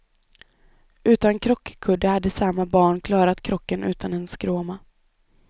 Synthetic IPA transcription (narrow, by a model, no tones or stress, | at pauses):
ʉ̟ːt̪ankʰɾɔkːkʰɵd̪əhad̪ːəsamːabɑːɳkʰlɑːɾat̪kʰɾɔkːənʔʉ̟ːt̪ʰanɛnskɾoːma